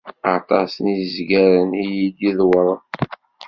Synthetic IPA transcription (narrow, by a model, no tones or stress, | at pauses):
ɑt̪ˤɑsnizɡæɾənijid̪iðwəɾˤ